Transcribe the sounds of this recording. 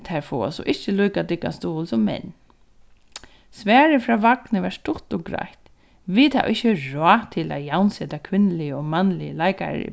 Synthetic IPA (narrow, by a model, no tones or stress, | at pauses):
t̪haɹfɔːa̰sɔ̰ʔɪht͡ʃəluːkat̪ɪkːa̰st̪uːlsɔmːɛ̰n | svɛːɹɪfɾaːʋaknəvaɹst̪ʊt̪ɔɡɾa̰jt̪ | vit̪ʰa̰wʔɪçəɹɔaːt̪ʰɪla̰jawnseːt̪akʰʋɪnlɪəɔmanlɪlajka̰ɾɪ̰